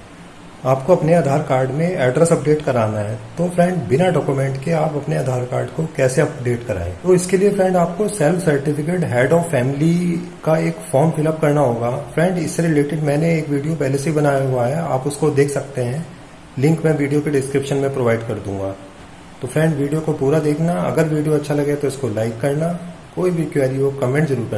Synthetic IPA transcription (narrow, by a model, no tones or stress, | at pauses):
aːpkoɐpneaːd̪ʱaːɾkaːɾɖmẽɛːɖɾəsɐpɖeːʈkɐɾaːnaɦɛt̪oːfɾɛ̃ɳɖbɪnaɖɔːkumɛ̃ɳʈkeaːpɐpneaːd̪ʱaːɾkaːɾɖkokɛːseɐpɖeːʈkɐɾa̰ːḛ̃t̪oɪskeliefɾɛ̃ɳɖaːp̚kosɛlfsɐɾʈɪfɪk̬eːʈɦɛːɖɔːfːɛːmɪlikaeːkfɔːɾmfɪləp̚kɐɾnaɦoːɡaːfɾɛ̃ːɳɖɪsːeɾɪleːʈɪɖmɛ̃ːneeːkʋiːɖijopɛɦleseɦibɐnaːjaɦuaɦɛa̰ːpʊskod̪eːkʰsɐk̚t̪eɦɛ̃ː | lɪ̃ŋkmɛ̃ːʋiːɖijokeɖɪskɾɪpʃənmẽpɾoːʋaːɪɖkɐɾd̪ũːŋɡaː | t̪ofɾɛ̃ːɳɖʋiːɖijokopuːɾad̪eːkʰnaɐ̰ɡəɾʋiːɖijoɐtːʃʰalɐɡet̪oɪskolaːɪkːɐɾnakoːibʱikʋɛːɾioːkɐmɛ̃ɳʈzɐɾuːɾkɐ